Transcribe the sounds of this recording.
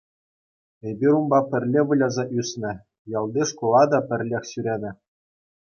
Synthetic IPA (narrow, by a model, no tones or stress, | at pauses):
ebʲiɾumbɑpʲɘ̆rʲlʲeʋulʲɑzɑʔysʲnʲɘ̆ | jɑlˠd̪iʂkolˠɑd̪ɑpʲɘ̆rʲlʲexʲsyɾʲenʲɘ̆